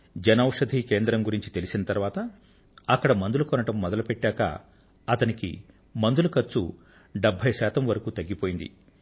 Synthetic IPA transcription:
d͡ʒɐnɐːwuʂɐd̪ʱike̞ːnd̪ɾɐmɡuɾiɲt͡ʃi̥t̪e̞lisinɐt̪ɐɾʋaːt̪ɐ | ɐkːɐɽɐmɐnd̪ulukɔnɐʈɐmːɔd̪ɐlupeʈːaːkɐ̰ | ɐt̪ɐnikḭ | mɐnd̪ulukɐɾt͡ʃu | ɖebʱːɐjsaːt̪ɐmʋɐɾɐkuːt̪ɐɡːipoːjind̪ḭ

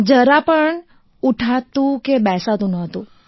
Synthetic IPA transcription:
d͡ʒəɾapəɳ | uʈʰat̪ũkebɛsat̪ũnəɦət̪ũ

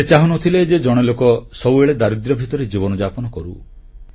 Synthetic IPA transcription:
et͡ʃaɦunɔt̪ʰiled͡ʒed͡ʒɔɽ̃elokɔsɔbueɭed̪aɾid̪ɾɔbʱit̪ɔɾed͡ʒibɔnɔd͡ʒapɔnɔkɔɾṵ

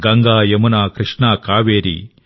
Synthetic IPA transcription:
ɡɐŋɡaːjɐmunaːkɾɨʂɳaːkaːʋeːɾḭ

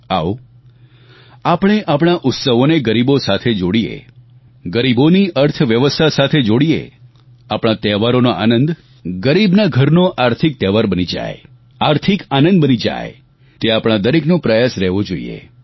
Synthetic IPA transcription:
aw | apɽ̃eʔapɽ̃aʔʊt̪səʋoneɡəɾibosat̪ʰed͡ʒoɽiḛ | ɡəɾiboniʔəɾt̪ʰʋjəʋəst̪ʰasat̪ʰed͡ʒoɽiḛ | apɽ̃at̪ɛʋaɾonoʔa̰nənd̪ | ɡəɾibnaɡʱəɾnoʔaɾt̪ʰik̚t̪ɛʋaɾbənid͡ʒa̰j | aɾt̪ʰikanə̃nd̪bənid͡ʒa̰j | t̪eapɽ̃ad̪əɾeknõpɾəjasɾɛɦʋod͡ʒoḭḛ

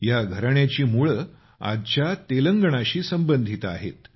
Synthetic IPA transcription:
jaɡʱəɾɳjat͡ɕiːmuɭə | a̰d̪t͡ɕjat̪eləŋɡəɳaɕiːsəmbənd̪ʱit̪a̰ɦḛt̪

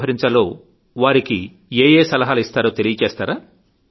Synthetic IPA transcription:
ɦɐɾiɲt͡ʃɐlo̞ː | ʋaːɾiki | eːjeːsɐlɐɦaːlɐist̪aːɾo̞ːt̪e̞lijɐt͡ʃeːst̪aːɾaː

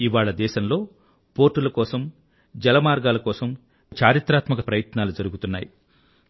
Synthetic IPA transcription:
iʋaːɭɐd̪ɛːʃɐmlo̞ː | po̞ːɾʈːulɐkɔːsɐm | d͡ʒɛlɐmaːɾɡaːlɐkɔːsɐm | t͡ʃʰaːɾit̪ɾaːt̪mɐkɐpɾɐjɐt̪naːlud͡ʒɐɾuɡut̪unːa̰ːji

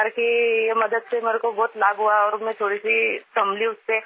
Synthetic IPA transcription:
əɾkijemɐd̪əd̪̚semeːɾekobɔːt̪laːbɦuaɔːɾmẽt̪ʰoːɽisitɐmliʊsːe

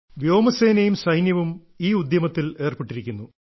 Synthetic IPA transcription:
ʋjo̞ːmɐse̞ːnɐjumsɐjnjɐʋum | iːud̪jɐmɐt̪ːile̞ːrpeʈːiɾikʲːunːu

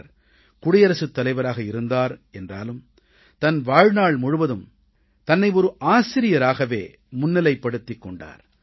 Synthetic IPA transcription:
ɾ | kʊɽɪjɐɾɐsɯt̪ːɐlɐɪʋɐɾaːɣɐɪɾɯnd̪aːɾɛndra̰ːlɯm | t̪ɐnʋaːɻnaːɭmʊɻɯʋɐðɯm | t̪ɐnːɐɪɔɾɯʔaːsɪɾɪjɐɾaːɣɐʋeː | mʊnːɪlɐɪpːɐɽɯt̪ːɪkːɔɳɖa̰ːɾ

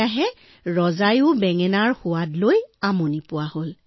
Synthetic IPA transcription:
aɦɛ | ɹɔzajʊbɛŋɛnaɹxʊwadlojamonipʊwahol

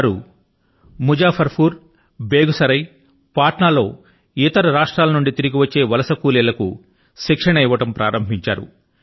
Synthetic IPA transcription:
ɾṵ | mud͡ʒaːpʰɐɾpʰuːɾ | beːɡusɐɾɐj | paːʈɳaːlo̞ː | it̪ɐɾɐɾaːʂʈɾaːlɐnuɳɖit̪iɾiɡiʋɐt͡ʃːe̞ːʋɐlɐsɐkuːlɛlɐkṵ | ʃikʂɐɳɐiʋɐʈɐmpɾaːɾɐmbʱiɲt͡ʃaːɾṵ

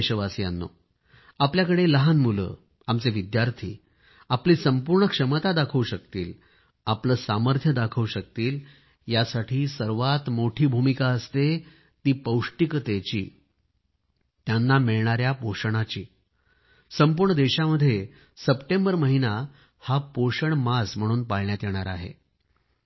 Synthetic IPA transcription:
ɕəʋasia̰nːo̰ | apljakəɽeləɦanmulə̰ː | amt͡seʋid̪jaɾt̪ʰḭː | apliːsəmpuɾɳəkʂəmət̪ad̪akʰəuɕək̚t̪iːl | apləːsaməɾt̪ʰjəd̪akʰəuɕək̚t̪iːl | jasaʈʰiːsəɾʋat̪moʈʰiːbʱumikaəst̪e | t̪iːpəwʂʈikət̪et͡ɕḭː | t̪janːamiɭɳaɾjapoɕɳ̃at͡ɕḭː | səmpuːɾɳəd̪eɕaməd̪ʱːje | səpʈẽmbəɾməɦina | hapoɕəɳmasm̤əɽ̃uːnpaɭɳjat̪jeɽ̃aɾa̰ɦḛ

